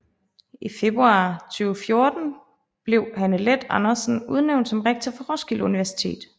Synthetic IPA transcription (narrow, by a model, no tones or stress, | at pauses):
ife̝b̥ʁuɑ̰̈t͡sʰyːʊfjo̝ɐd̥n̩ | b̥le̝ʊ̰hænəled̥ɑnɐsn̩uð̞ˠneʊnd̥sɒ̽mʁeɡ̥̚t͡sʰɐfɒ̽ʁɒsɡ̥iluniʋæɐsi̥t͡sʰe̝̰ːd̥